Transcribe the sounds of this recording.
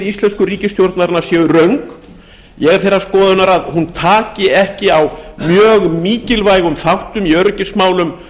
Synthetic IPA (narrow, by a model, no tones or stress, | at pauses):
ðist̪lɛnskʏriːcɪst̪jowɾt̪naɾnḁsjɛːðʏrœɥŋk | jɛɣɛɾ̥θejɾraskɔːðʏnaɾaðhunt̪ʰaːcɪɛhcɪawmjœːɣmiːcɪlvaːjɣʏmθawht̪ʏmiœɾcɪsmaːwlʏm